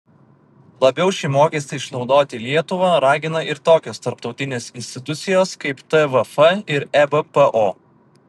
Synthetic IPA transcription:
lˠɐbʲɛʊʃʲimoːkʲɛsʲt̪ʲɐɪʃnɒʊd̪oːt̪ʲɪlʲiɛt̪ʊʋɐɾɑːɡʲɪnɐɪɾt̪oːkʲoːst̪ɐɾpt̪ɒʊt̪ʲɪnʲeːsɪnʲsʲt̪ʲɪt̪ʊt̪sʲɪjoːskɐɪpt̪ɛʋɐfɐɪɾɛbəpəʔoː

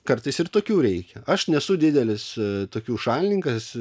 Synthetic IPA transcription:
kɐrt̪ɐɪsɪɾt̪oːkʲuːɾʲɛɪkʲɛɐʃnʲɛsʊd̪ʲɪd̪ʲɛlʲɪst̪oːkʲuːʃɑːlʲɪnʲɪŋkɐs

